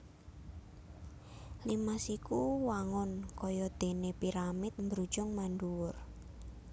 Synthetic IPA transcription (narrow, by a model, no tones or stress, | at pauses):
limasikuwaŋɔnkɔjɔd̪̥e̤nepiɾamɪt̪̚mbɾu̥ʒ̥ɔŋmanduwʊr